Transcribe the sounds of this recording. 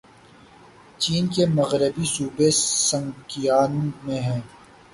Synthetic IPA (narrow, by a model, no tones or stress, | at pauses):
t͡ʃiːnkemɐɣɾəbisuːbesɐ̃ŋkijaːnmẽɦɛ̃ː